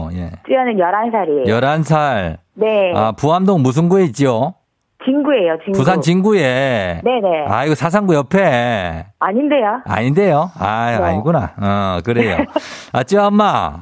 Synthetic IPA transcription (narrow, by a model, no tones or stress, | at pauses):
je̞̰t͡ɕ͈ianɯnjʌɾansʰaɾiejʌɾansʰaɭnea̰puɦamdoŋmus̬ʰɯnɡue̞it͡ɕ͈io | t͡ɕinɡue̞jot͡ɕiŋpus̬ʰant͡ɕinɡuenenea̰iɡosʰas̬ʰaŋɡujʌpʰe̞ | aɲinde̞joa̰ɲinde̞joa̰a̰ɲiɡuna̰ʌkɯɾejo̰at͡ɕ͈iaʌmːa